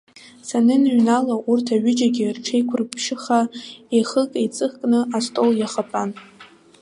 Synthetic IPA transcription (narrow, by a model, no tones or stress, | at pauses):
sanɨnɥnalaʔurtʰaɥʊd͡ʒʼaɡʲɪrʈ͡ʂʰejkʷʰʊrɨpʰʃɪχaeχəkʼejt͡sʼɨχkʼnɨʔastʼoljaχapʼan